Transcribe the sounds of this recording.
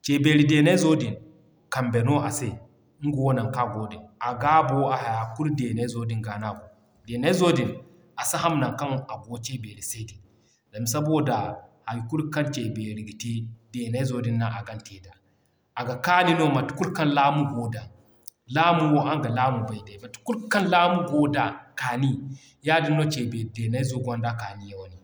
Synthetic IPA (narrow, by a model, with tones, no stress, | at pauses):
t͡ʃe˨be˨ɾi˨de˨na˦zo˦di˨n | ka˨mbe˨no˦a˨se˦ | ŋ̩˦ɡo˨wo˦na˨ka˦ɡo˨˦dɛ˨na˨ɡa˦bo˦a˨ɦa˨ja˨ku˦lde˨na˦zo˦di˨ŋɡa˨na˦bo˨ | de˨na˦zo˦di˨n | a˨sa˦ɦa˦mna˨ka˦na˨ɡo˦t͡ʃe˦be˨ɾi˨se˦di˨n | za˨mi˨s̬a˦bo˦da˨ha˨jku˦ɾka˦nt͡ʃe˨be˨ɾi˨ɡi˨ti˦de˨na˦i˦zo˦di˦nːa˦ʔa˨ɡa˦nte˨da˨ | ʔa˨ɡa˨ka˦ni˦no˦ma˨tu̥˨˦ku˦lka˦nla˦mu˦ɡo˨da˨ | la˦mu˦wo˦ʔa˦ŋɡa˨la˦mu˨ba˨jda˨ma˨tu̥˨ku˦ka˦nla˦mu˦ɡo˦da˨ka˨ni˦ | ja˦di˦nːo˦t͡ʃe˨be˨de˨na˦zo˦ɡʷa˦nda˦ka˨ni˦ja˨wo˦ni˨